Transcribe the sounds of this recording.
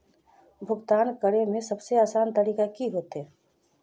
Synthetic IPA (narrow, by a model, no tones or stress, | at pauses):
bʱʊɡt̪aːnkəɽemẽsɐbseaːsaːnt̪əɾiːkakiɦoːt̪ɦɛː